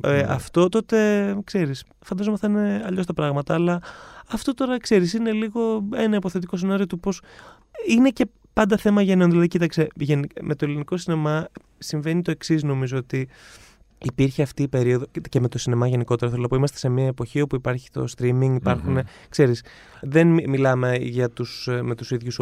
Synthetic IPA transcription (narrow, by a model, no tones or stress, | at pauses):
eɐ̰ft̪o̞t̪o̞t̪e̞kse̞ɾis | fɐnd̪ɐzomɐsθɐineɐʎo̞st̪ɐpɾɐɣmɐt̪ɐːlɐɐft̪o̞t̪o̞ɾɐkse̞ɾisine̞liɣo̞e̞nɐipo̞θe̞t̪iko̞senɐɾio̞t̪upo̞s | ine̞ce̞ | pɐnd̪ɐθe̞mɐʝeno̞nðilɐðicit̪ɐkseʝenime̞t̪o̞eliniko̞sine̞mɐ | siɱve̞nit̪o̞e̞ksizno̞mizoot̪iː | piɾçeɐft̪iːpe̞ɾio̞ðo̞ce̞me̞t̪o̞sine̞mɐʝe̞niko̞t̪e̞ɾoθelonɐpoimɐst̪ese̞miɐepo̞çio̞puipɐɾçi̥t̪o̞̰st̪ɾimiŋɡipɐɾxune | kse̞ɾis | ðenmilɐme̞ʝɐt̪usme̞t̪usiðʝus